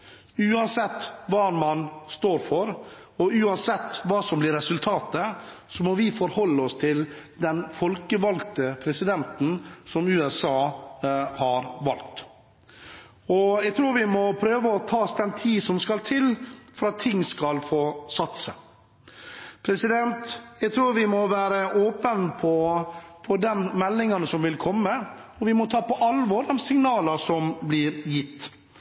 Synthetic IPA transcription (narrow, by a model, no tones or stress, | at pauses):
ʉːɑnsɛt̪ːʋɑːmɑnst̪oːɾfɔɾ | ɔʉːɑnsɛt̪ːʋɑːsɔmblɪɾɛsʉlt̪ʰɑːt̪əsɔmɔʋɪfɔɾhɔlːəɔst̪ʰɪld̪ɛnfɔlkəʋɑlt̪əpʰɾɛsɪd̪ɛnt̪n̩sɔmʉːɛsɑː | hɑɾʋɑlt̪ | ɔjæɡt̪ʰɾuːɾʋɪmɔpʰɾøːʋəɔt̪ʰɑːsd̪ɛnt̪ʰiːsɔmskɑlt̪ʰɪlfɔɾɑt̪ʰːɪŋːskɑlfoːsɑt̪sə̰ | pʰɾɛsɪd̪ɛnt̪jæɡt̪ʰɾuːɾʋɪmɔʋæːɾəʔoːpənpʰɔpʰɔd̪ɛnmɛlːɪŋɑnəsɔmʋɪlkʰɔmːə | ɔʋɪmɔt̪ʰɑːpɔʔɑlʋɔɾd̪ɛnsɪŋnɑːləsɔmblɪɾjɪt̪ː